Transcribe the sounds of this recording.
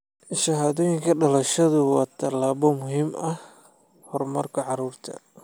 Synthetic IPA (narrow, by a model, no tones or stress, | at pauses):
ʃɐɦaːðɔːjɪŋkʰɐɖɐlɐʃɐðʊwɑːt̪ʰɐlaːβɔmʊɦiːmɐh | hɔrmɐrkʰɐʕɑɾuːrt̪ʰɐ̰